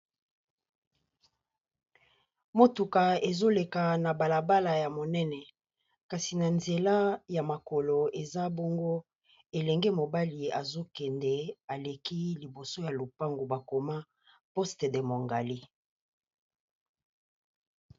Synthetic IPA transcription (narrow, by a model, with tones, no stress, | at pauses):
mo˨tu˨ka˨e˨zo˦le˨ka˨na˨ba˨la˨ba˦la˨ja˨mo˨nɛ˦nɛ˨ | ka˨si˨na˨nze˨la˦ja˨ma˨ko˨lo˨e˨za˦bo˦ŋɡo˦ | e˨lɛ˨ŋɡɛ˦mo˨ba˦li˨a˨zo˦kɛ˨ndɛ˦a˨le˨ki˦li˨bo˨so˦ja˨lo˨pa˦ŋɡo˨ba˨ko˨ma˦ | po˦ste˨de˨mo˨ŋɡa˨li˦